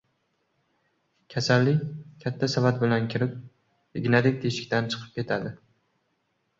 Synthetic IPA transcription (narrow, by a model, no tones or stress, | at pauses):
kʲʰasalːɪkʲʰat̪ʰːasavat̪̚bɪlankʲʰɪɾɪp̚ | ɪɡʲnad̪ɪk̚ʲt̪ʰeʃɪ̥kʲt̪ant͡ʃʰɨ̥qʰɨp̚kʲe̞t̪ʰad̪ɪ